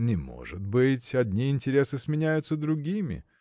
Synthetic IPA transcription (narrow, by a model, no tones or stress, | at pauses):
nʲɪmo̞̰ʐɨt̪bɨtʲɐdʲnʲiɪnʲtʲɪɾʲesɨsmʲɪnʲæjʊt̪səd̪ɾʊɡʲimʲɪ̰